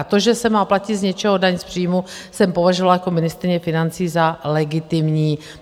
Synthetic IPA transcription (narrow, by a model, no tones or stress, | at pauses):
t̪o̞ʒɛsɛmaːplacɪt̪zɲɛt͡ʃɛɦo̞daɲspr̥iːjmu | sɛmpo̞vaʒovalajako̞mɪnɪst̪ɾɪɲɛfɪnant͡siːzalɛɡɪt̪ɪmɲiː